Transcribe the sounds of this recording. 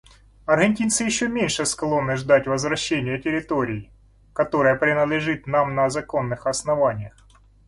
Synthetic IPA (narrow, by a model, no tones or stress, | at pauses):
ɐrɣɪnʲtʲint̪sɨjɪɕːomʲenʲʂɨsklˠo̞nːɨʐd̪atʲvɐzvɾɐɕːenʲɪjətʲɪɾʲɪt̪o̞ɾʲɪji | kɐt̪o̞ɾɨjəpɾʲɪnəd̪lʲɪʐɨt̪namnɐzɐko̞nːɨxɐsnɐvanʲɪjəx